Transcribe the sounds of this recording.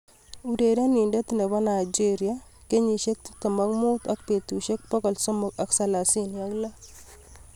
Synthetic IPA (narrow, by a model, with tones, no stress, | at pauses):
u˨de˨da˦ni˨nda˦t̪i˨ne˨ba˦na˨jd͡ʒi˦ɾja˦ke˦ɲi˨ʃe˦k̚t̪i̥t̪ɔ˨ma˦kmu˦t̪a˦k̚pe˨t̪u˨ʃe˦k̚pɔ˦kɔ˨lsɔ˦mɔ˨ka˦ksa˨la˨si˦nja˦kla˦